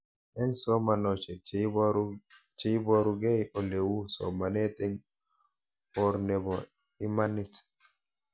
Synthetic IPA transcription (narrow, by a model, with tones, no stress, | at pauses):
ɛ˦nsɔ˦ma˨nɔ˨t͡ʃe˨ | t͡ʃe˦bɔ˦ɾu˦ɡɛ˦ʔo˨le˨wu˦sɔ̰˨ma˨nɛ˦te˦ŋ | ɔ˨ɾnɛ˨bɔ˨ | ɪ˦ma˦nɪ˦t